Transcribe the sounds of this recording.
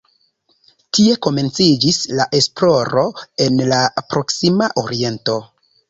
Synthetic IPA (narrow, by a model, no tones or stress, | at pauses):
tie̞ko̞me̞nt͡sid͡ʒislaʔe̞splo̞ɾo̞e̞nlapɾo̞ksimaʔoɾie̞nto̞